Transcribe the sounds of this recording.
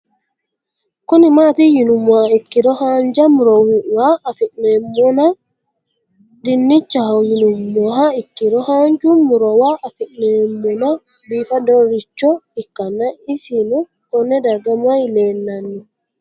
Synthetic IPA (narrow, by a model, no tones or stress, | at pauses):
kɔnimatijinumːɔhaikːiɾɔhaɲd͡ʒamɾɔwiwaːfiɗnɛmːɔna | dinːit͡ʃːahawjinumːɔɦaikːiɾɔhand͡ʒumːuɾɔwaːfiɗnɛmːɔna | biːfadɔɾit͡ʃːɔikːanːaisinu | kɔnːɛdaɡamajlɛnːanːu